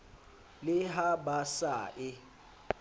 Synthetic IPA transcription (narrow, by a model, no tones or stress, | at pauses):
lɪɦabasaːʔɪ